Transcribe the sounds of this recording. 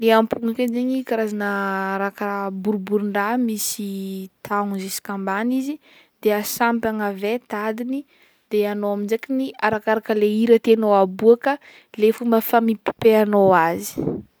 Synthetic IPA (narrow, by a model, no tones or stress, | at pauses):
leampuŋakazeɲikaɾazanəɾakaɾabuɾbuɾiɳɖ͡ʐamisit̪ʰaŋzisi̥kambanizi | d̪̥easampaŋavet̪ad̪ini | d̪̥eanoaminzekiniaɾakaɾakəleiɾət̪enoabuakə | lefumbəfamipi̥peanoazi̥